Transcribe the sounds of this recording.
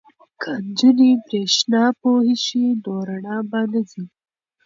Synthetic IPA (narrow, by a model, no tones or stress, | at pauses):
kʰand͡ʒunipɾeʃnɑpohiʃid̪oɾaɳɑbanəzi